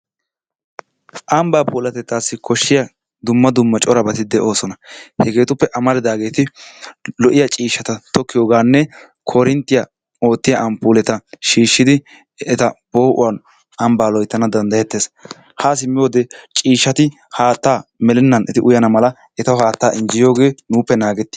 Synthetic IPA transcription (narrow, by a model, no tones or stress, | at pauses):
ʔɐmbaːpuːlɐt̪ɛt̪ːaːsːɪkʰɔʃːɪjɐ | d̪ʊmːɐd̪ʊmːɐt͡ʃʼɔɾɐbɐt̪ɪd̪ɛʔo̞ːsɔnɐhɛɡe̞ːt̪ʊpːɛʔɐmɐlɪd̪aːɡe̞ːt̪ɪ | lɔʔɪjɐt͡ʃʼiːʃːɐt̪ɐt̪ɔkːɪjoːɡaːnːɛ | kʰɔɾɪnt̪ːɪja | o̞ːt̪ːɪjɐʔɐmpuːlɛt̪ɐʃiːʃːɪd̪ɪ | ɛt̪ɐb̥o̞ːʔʊ̰wɐn | ɐmbaːlɔjt̪ːɐnɐd̪ɐnd̪ɐjɛt̪ːeːs | haːs̬ɪmːɪjoːd̪ɛt͡ʃʼiːʃːɐt̪ɪ | haːt̪ːaːmɛlɛnːɐnʔɛt̪ɪʔʊjɐnɐmɐlɐ | ɛt̪ɐwhaːt̪ːaːʔɪnd͡ʒɪjo̞ːɡe̞ːnuːpːɛnaːɡɛt̪ːɪ